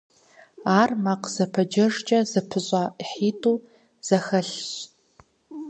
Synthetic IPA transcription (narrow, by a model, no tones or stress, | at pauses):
aːrmaqz̥ɐpʰɐd͡ʒɐʐt͡ʃʼɐzɨpʰɨɕʷʼaiħiːtʼuː | z̥ɐxɐɬɕ